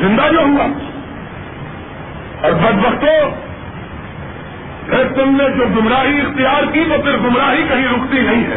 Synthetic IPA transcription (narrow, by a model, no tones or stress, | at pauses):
zɪ̃nd̪ad͡ʒoːɦua | ɔɾbɐd̪bɐxt̪o | et̪ʊmned͡ʒoːɡʊmɾaːɦiɪxt̪ijaːɾkit̪opʰɪɾɡʊmɾaːɦikɐɦĩɾʊxt̪inɐɦĩɦɛ̰ː